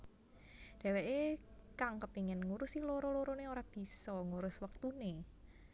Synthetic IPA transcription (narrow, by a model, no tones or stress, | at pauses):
d̥ɛ̤weʔekaŋkəpiŋɪnŋuɾusiloɾoloɾoneoɾab̥i̤sɔŋuɾʊswək̚t̪une